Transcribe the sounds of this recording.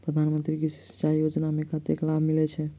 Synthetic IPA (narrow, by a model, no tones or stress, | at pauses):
pɾəd̪ʱanmənt̪ɾiɡisi̥st͡ʃajod͡ʒnamekət̪eklabʱmilɛt͡ʃʰɛ